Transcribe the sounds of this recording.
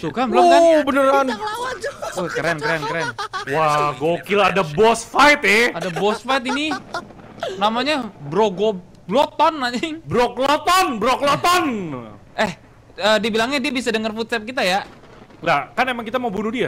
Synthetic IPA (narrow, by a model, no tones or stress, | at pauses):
sukabəlʊmkabənəran | okəɾɛnkəɾɛnkəɾɛnwaɡokiladabɔsfajt̪ɛadabɔsfajt̪ini | namaɲabɾoɡo | blot̪ɔnːaɲŋbɾoklɔt̪ɔnbɾɔklɔt̪ɔn | ɛh | əːdibilaŋɲadiabisadəŋərfut̪̚sɛp̚kit̪aja | lakanemaŋkit̪amaubunudia